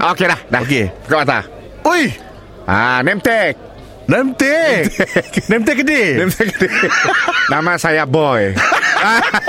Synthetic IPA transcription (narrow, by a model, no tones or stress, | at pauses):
ʔokelahdakepətaat̪a̰ | ujh | a̰nɛmt̪ɛk̚ | nɛmt̪ɛknɛmt̪ɛkːdinɛmt̪ɛkdi | namasajabɔja